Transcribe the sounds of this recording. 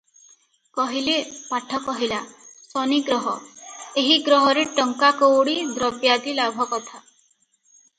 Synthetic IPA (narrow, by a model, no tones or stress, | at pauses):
kɔɦilepaʈʰɔkɔɦilasɔniɡɾɔɦɔeɦiɡɾɔɦɔɾeʈɔŋkakɔwɽid̪ɾɔbjad̪ilabʱɔkɔt̪ʰa